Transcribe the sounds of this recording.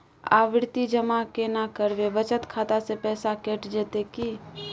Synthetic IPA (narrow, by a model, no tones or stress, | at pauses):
a̰ːʋɪɾt̪id͡ʒəmakenakəɾʋeʋət͡ʃət̪kʰaːt̪asepɛːsakeːʈd͡ʒeːt̪eki